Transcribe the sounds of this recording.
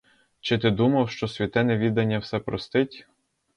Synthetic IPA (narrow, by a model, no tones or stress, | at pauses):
t͡ʃɪt̪ɪd̪umɐwʃt͡ʃɔsʲʋʲit̪ɛnɛʋʲid̪ɐnʲːɐwsɛpɾɔst̪ɪtʲ